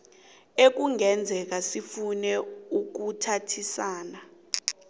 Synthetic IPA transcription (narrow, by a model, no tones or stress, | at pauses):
ek̬uŋɛnd͡zʱɛk̬asifunɛuk̬utʰatʰisaːna